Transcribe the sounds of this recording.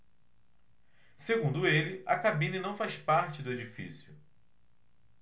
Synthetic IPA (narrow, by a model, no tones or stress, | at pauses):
seɡũnd̪ʊelɪɐ̰kabĩnɐnɐ̃w̃fajspaɾt͡ʃɪd̪ʊed͡ʒifḭsjʊ